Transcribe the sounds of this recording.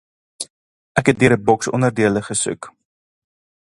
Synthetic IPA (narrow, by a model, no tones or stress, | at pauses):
ʔækɦɛt̚døəɾəbɔksɔ̰nərdiələχəsʉ̰k